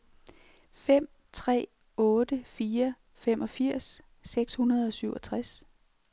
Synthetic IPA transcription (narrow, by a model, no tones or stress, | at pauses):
fem̰ | t͡sʰʁɛ̰ː | ɔ̽ːd̥əfiːɐ | femʔɒ̽fiɐ̰sː | eɡ̥shunɐð̞ˠɒ̽syʊɒ̽t͡sʰʁas